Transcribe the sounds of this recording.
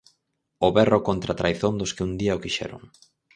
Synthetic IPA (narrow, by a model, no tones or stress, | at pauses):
ʊβɛrokont̪ɾat̪ɾajθond̪ʊskɪund̪iaokiʃɛ̰ɾʊ̰ŋ